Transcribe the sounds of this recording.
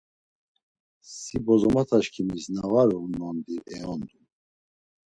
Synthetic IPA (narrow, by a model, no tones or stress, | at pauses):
sibɔzɔmat̪ʰaʃkʰimiznavaɾuunɔnd̪iʔɛɔnd̪u